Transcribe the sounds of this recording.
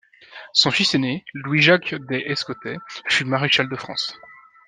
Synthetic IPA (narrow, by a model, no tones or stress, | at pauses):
sɔ̃fisenelwiʒakd̪ɛʔɛskɔt̪ɛfymaʁeʃald̪əfχɑ̃s